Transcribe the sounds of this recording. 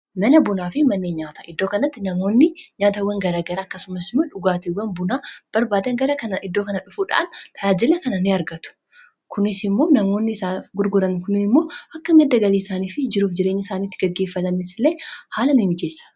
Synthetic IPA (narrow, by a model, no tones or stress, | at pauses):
mɐlɐbʊnaːfɪmɐnːeːɲɲaːt̪ɐʔɪd̪ːo̞ːkɐnɐt̪ːɪnɐmo̞ːnːɪɲaːt̪ɐwːɐŋɡɐɾaɡɐɾɐːkːɐsʊmɐsɪmːɐᶑʊɡaːt̪iwːɐnbʊnaːb̥ɐɾbaːd̪ɐŋɡɐɾɐkɐnɐʔɪd̪ːoːkɐnɐᶑʊfuːᶑa̰ːnt̪ʰɐjaːd͡ʒɪlɐkɐnɐnɪɐɾɡɐt̪ʊ̥ | kʊnɪsɪmːo̞ːnɐmo̞ːnːɪsaːɡʊɾɡʊɾɐnkʊnɪnɪmːo̞ːʔɐkːɐmɛd̪ːɐɡɐliːɪsaːniːfɪd͡ʒɪɾuːfd͡ʒɪɾe̞ːɲːɐɪsaːniːt̪ːɪɡɐɡːe̞ːfːɐt̪ɐnɪsɪleːhaːlɐnʊhɪmɪd͡ʒeːsːɐ̥